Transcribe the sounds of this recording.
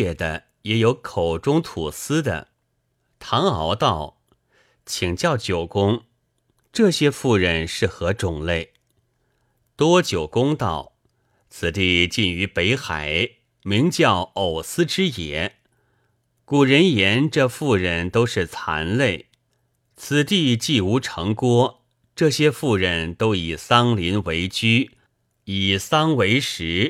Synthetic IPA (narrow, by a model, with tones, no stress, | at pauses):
ɛ˥˩d̪ə˦ | jɛ˧˥jo˧˥ʊkʰo˨˩ʊʈ͡ʂʊ˥ŋt̪ʰu˨˩sɹ̩˥d̪ə̰˨ | t̪ʰɑ˧˥ŋɑ˧˥ʊt̪ɑ˥˩ʊ | t͡ɕʰi˨˩ŋt͡ɕjɑ˥˩ʊt͡ɕjo˨˩ʊkʊ˥ŋ | ʈ͡ʂɤ˥˩ɕjɛ˥fu˥˩ɻə˧˥nʂɻ̩˥˩xɤ˧˥ʈ͡ʂʊ˨˩ŋle˥˩ɪ | t̪wɔ˥t͡ɕjo˨˩ʊkʊ˥ŋt̪ɑ˥˩ʊ | t͡sʰɹ̩˨˩t̪i˥˧t͡ɕi˥˩ny˧˥pe˧˥ɪxa˨˩˦ɪ | mi˧˥ŋt͡ɕjɑ˥˩ʊo˨˩ʊsɹ̩˥ʈ͡ʂɻ̩˥jɛ˧˥ | ku˨˩ɻə˧˥njɛ˧˥nʈ͡ʂɤ˥˧fu˥˩ɻə˧˥nt̪o˥ʊʂɻ̩˥˩t͡sʰa̰˧˥nle˥˩ɪ | t͡sʰɹ̩˨˩t̪i˥˧t͡ɕi˥˩u˧˥ʈ͡ʂʰɤ˧˥ŋkwɔ˥ | ʈ͡ʂɤ˥˩ɕjɛ˥fu˥˩ɻə˧˥nt̪o˥ʊi˨˩sɑ˥ŋli˧˥nwe˧˥ɪt͡ɕy˥ | i˨˩sɑ˥ŋwe˧˥ɪʂɻ̩˧˥